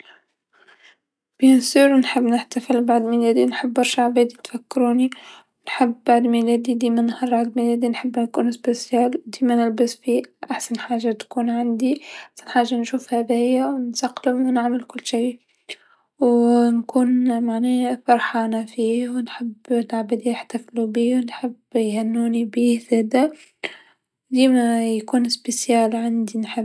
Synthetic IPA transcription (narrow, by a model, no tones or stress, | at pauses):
b̥jænsiɾwnħəbːnɪħt̪afɪlbaʕd̪milæːd̪inħəbːɑɾʃaʕbæːd̪it̪fakːɾuːni | nħəbːaʕd̪milæːd̪id̪iːmænhɑrˤːɑʕd̪milæːd̪inħəbːnkuːnsbesjæːld̪iːmænɪlbəsfiʔaħsanħaːʒːat̪kuːnʕand̪iʔʔaħsanħaːʒːanʃuːfhæðɪhɪjːawnsaqːlɪmwnɪʕmɪlkʊlːʃiː | wnkuːnmaʕneːfɑɾˤħɑːnafiːwnħɪbːɪlʕabad̪ijɪħt̪aflubiːwnħɪbjhænːuːnibiːzæːd̪æ | d̪iːmæjkuːnspesjaːlʕand̪inħɪb